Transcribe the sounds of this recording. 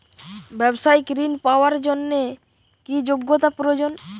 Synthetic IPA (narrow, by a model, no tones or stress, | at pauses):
bɛbʃajkɾinpaoaɾd͡ʑonːe | kid͡ʑoɡːot̪apɾod͡ʑon